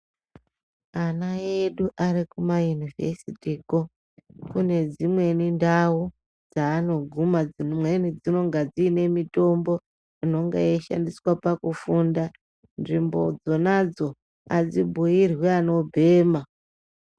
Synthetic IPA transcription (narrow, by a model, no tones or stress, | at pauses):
anaje̞ɗuʔaɾikumajunivesitiːko | kune̞d͡zimwe̞nindawu | d͡zaːno̞ɡʱumad͡zimwenid͡zino̞ŋɡad͡ziːne̞mito̞mbo̞ | ino̞ŋɡḛjeʃa̰ndiswapakufunda | nʐimbo̞̰d͡zo̞nad͡zo̞ | ad͡zibʱujirwiano̞bʱe̞ːma